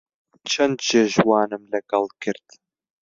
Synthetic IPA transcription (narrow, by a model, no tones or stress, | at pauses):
t͡ʃʰɐnd̪ʒeʒwɑːnɨmlɐɡɐlˠkʰɨɾd̪